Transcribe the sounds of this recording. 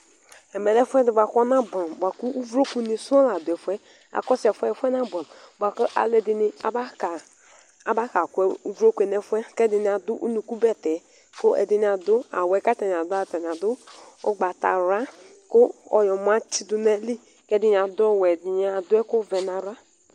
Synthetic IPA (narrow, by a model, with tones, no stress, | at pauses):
ɛ˨mɛ˨lɛ˦fʷɛ˦di˨ba˨kɔ˦na˦ba˨n˨bʷa˨ku˦u˦vu˨ɾo˦ku˨ni˨su˦ɔ˦la˨dʊ˨ɛ˨fʷɛ˦ | a̰˨kɔ˦sɛ˨fʷɛ˦˨fʷɛ˦na˦ba˨ba˨kɔ˦ʔa̰˨le˦di˨ni˦a̰˦ba˦ka˨˦ | ba˦ka˨kʷɛ˦u˦vu˨ɾo˦kʷe˨nɛ˦fʷɛ˦kɛ˦di˨ni˨a˨du˦ʔṵ˦nu˨ku˦bɛ˦tɛ˨ | ko˦ʔɛ̰˨di˨ni˨˦a˨dʊ˦a̰˨wɛ˨ka˦tɛ˨n˨a˨dʊ˦a˦˨tɛ˨n˨a˨dʊ˦ | o̰˦ɡ͡ba˨ta̰˨ɾa˦ | ko˦ɔ˨jɔ˨mʷ˨a˦t͡ʃi˦du˨nɛ˦li˦ | kɛ˦di˨ɲ˨a˨dʊ˦ɔ˦wɛ˨di˨ɲ˦a˨dʊ˦ɛ˦ko˦vɛ˨na˨ɾa˦